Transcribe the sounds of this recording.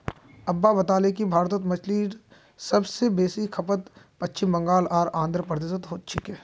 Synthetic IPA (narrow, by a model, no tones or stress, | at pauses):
ɐbːabɐt̪aːlekibʱaːɾt̪ət̪mɐt͡ʃʰliːɾ | sɐbsebeːsikʰɐpət̪ | pɐtːt͡ʃɪmbɐ̃ŋɡaːlaːɾãːnd̪ɾəpəɾd̪eːsət̪ɦoːt̪̚t͡ʃʰɪkɛː